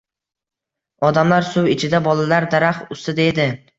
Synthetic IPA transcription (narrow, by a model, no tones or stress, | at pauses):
ɒd̪amlaɾsʊwɪt͡ʃʰɪd̪abɒlalaɾd̪aɾaχʊst̪ɪd̪ed̪ɪ